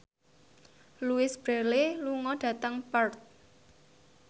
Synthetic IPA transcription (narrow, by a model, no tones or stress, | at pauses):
luɪsb̥ɾeleluŋɔɖ̥ä̤t̪əŋpərt̪̚